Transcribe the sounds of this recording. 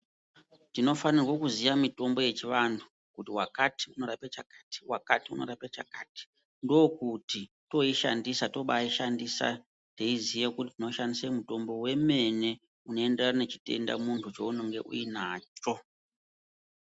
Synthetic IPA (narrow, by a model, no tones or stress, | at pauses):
tino̞fanirwokuzijamito̞mbo̞je̞t͡ʃiʋantʰu̥ | kutiwakatiuno̞ɾapet͡ʃakḁti̥wakatiuno̞̰ɾapet͡ʃa̰kaːti̥ | ndokuti | to̞iʃa̰ndisato̞ɓaiʃandisa̰ | teizijekutitinoʃandisemuto̞mbo̞we̞me̞ne̞ | uno̞e̞nderane̞t͡ʃi̥te̞̰nda̰muntʰut͡ʃo̞uno̞ŋɡe̞̰ʔṵinaːt͡ʃo̞